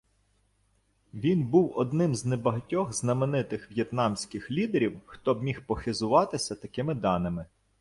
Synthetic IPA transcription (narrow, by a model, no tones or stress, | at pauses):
ʋʲinbuwɔd̪nɪmznebɐɦɐtʲɔɣznɐmenɪt̪ɪxʋʲjet̪nɑmsʲkɪxlʲid̪eɾʲiwxt̪ɔbmʲixpɔxɪzʊʋɑt̪ɪsʲɐt̪ɐkɪmɪd̪ɑnɪmɪ